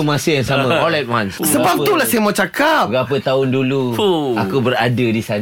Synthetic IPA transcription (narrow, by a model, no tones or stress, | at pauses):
umãsəjaŋsamə̃ɔlɛt̚wanssəbap̪̚ulahsajəmãwt͡ʃakapɡapət̪aʊnduluakubəɾadədisan